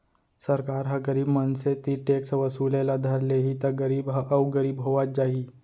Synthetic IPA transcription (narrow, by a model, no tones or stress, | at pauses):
səɾkaːɾɦəɡəɾiːbmənset̪iʈeːksʋəsuːlelad̪ʱɐɾleːɦit̪ɐɡəɾiːbɦɐʔɐʋɡəɾiːbɦoʋat̪̚d͡ʒaːɦi